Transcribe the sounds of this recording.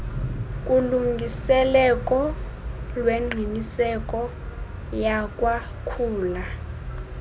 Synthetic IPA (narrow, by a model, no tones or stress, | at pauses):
kʼuluŋɡʱisɛlɛkʼɔ | lweŋ͡ǀʱinisɛkʼɔ | jakʼwa | kʰuːla